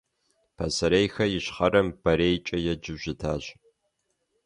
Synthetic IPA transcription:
pʰɐsɐɾejxɐjɪɕχɐɾɐmb̥ɐɾeːjt͡ʃʼɐjɛd͡ʒɪʒɪtʰaːɕ

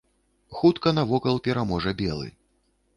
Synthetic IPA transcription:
xut̪kɐnɐvɔkɐlˠpʲɛɾamɔʐɐbʲɛlˠɨ̰

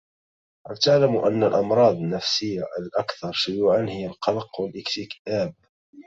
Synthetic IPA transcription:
ʔalt̪aʕlamʔanːalʔɑmɾˤɑːd̪ˤnːafsɪjːaʔalʔakθɑɾˤʃʊjuːʕanhɪjːalqɑlqwalʔɪkt̪ɪkʔaːb̚

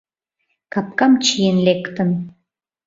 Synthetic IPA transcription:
kɑp̚kɑmt͡ɕijenlekt̪ə̆n

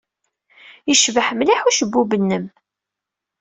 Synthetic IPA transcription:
jəʃvəħmliħuʃəbːubənːəm

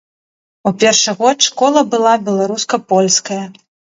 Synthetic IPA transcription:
upʲɛrʂɨɣɔt̪ʂkɔlˠɐbɨlˠabʲɛlˠaɾuskɐpɔlʲskɐjɐ

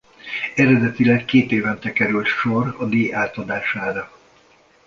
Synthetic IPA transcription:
ɛɾɛd̪ɛt̪ilɛkːeːt̪eːvɛnt̪ɛkɛɾylt̪ʃorɒd̪iːjaːt̪ɒd̪aːʃaːɾɒ

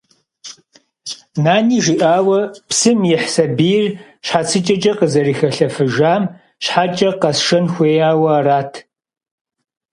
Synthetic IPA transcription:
naːniːʒiʔaːwɐpsɨmjɪħsɐbijr | ɕħat͡sʰɨt͡ʃʼɐt͡ʃʼɐqəzɐriːxɐɬɐfɨʒaːm | ɕħaːt͡ʃʼɐqɐsʂɐnxʷeːjaːwɐːɾaːtʰ

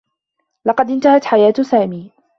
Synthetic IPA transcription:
lɑqɑd̪ʔɪnt̪ahat̪ħajaːt̪saːmiː

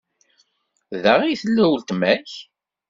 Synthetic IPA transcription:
ðæʁijθəlːæwlt̪mæç

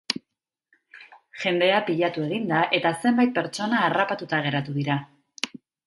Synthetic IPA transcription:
ʝe̞nd̪e̞apiʎat̪ue̞ɣ̞ind̪aʔe̞t̪ase̞mbajt̪̚pe̞ɾt͡ʃo̞naːrapat̪ut̪aɣ̞e̞ɾat̪uðiɾa

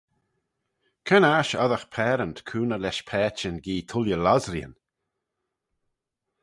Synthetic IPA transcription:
kʰənaːʃɔðəxpʰɛːɾənt̪kʰuːnəlɛʃpʰɛːt͡ʃənɡiːt̪ʰʊljəlazɾjə̰n

